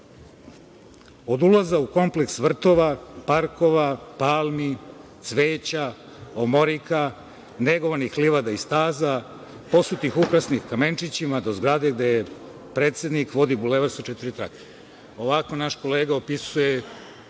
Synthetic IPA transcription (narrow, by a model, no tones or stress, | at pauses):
o̞d̪ulazauko̞mpleksʋr̩t̪o̞ʋapaɾko̞ʋapaːlmit̪sʋeːt͡ɕa | omo̞ɾika | neɡoʋanixliʋad̪aist̪aːza | po̞sut̪ixupɾasnixkame̞nt͡ʃit͡ɕimad̪o̞zɡɾad̪e̞ɡd̪eje | pɾe̞ːt̪sed̪nikʋo̞d̪ibuleʋaɾsot͡ʃet̪iɾit̪ɾa̰kʰe̥ | o̞ʋako̞naʃko̞leːɡao̞pisuje